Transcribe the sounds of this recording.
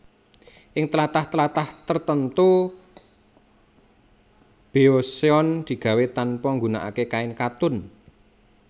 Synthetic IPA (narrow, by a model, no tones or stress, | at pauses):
ʔɪŋt̪əlat̪aht̪əlat̪aht̪ərt̪ənt̪u | b̥e̤oseɔnd̪̥i̤ɡ̥ä̤wet̪anpɔŋɡuna̰ʔa̰kekaɪnkat̪ʊn